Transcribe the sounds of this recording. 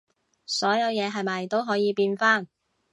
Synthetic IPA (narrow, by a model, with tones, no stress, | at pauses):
sɔː˨˥jɐ˨˧wjɛː˨˧ɦɐ˨jmɐ˨jt̪o˥wɦɔː˨˥jiː˨˧piː˧nfaː˥˩n